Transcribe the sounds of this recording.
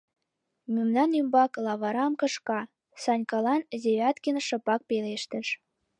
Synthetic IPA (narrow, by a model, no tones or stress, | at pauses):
mʲømnɑnymbɑklɑβɑɾɑmkɤ̆ʃkɑ | sɑnʲkɑlɑnzeβʲɑt̪kə̆nʃɤ̆pɑk̚peleʃt̪ə̆ʃ